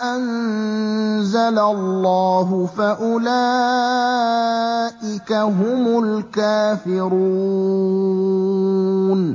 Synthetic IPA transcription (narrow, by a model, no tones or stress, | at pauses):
ʔan | zalalːaːɦʊfaʔʊlaː | ʔɪkaɦʊmʊlkaːfɪɾuː | n